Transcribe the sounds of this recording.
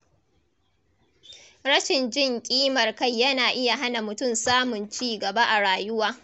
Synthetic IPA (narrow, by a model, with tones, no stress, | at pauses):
ɽɐ˦ʃɪ˨nd͡ʒɪ˦ŋkʲʼiː˦mɐ˨rka˦˨jːɐ˦naː˨ʔɪ˦ja˨ɦa˦na˨mʊ˨tʊ˦˨msaː˦mʊ˨nt͡ʃiː˦ɡɐ˨ba˦ʔa˨ɽaː˨jʊ˦waː˦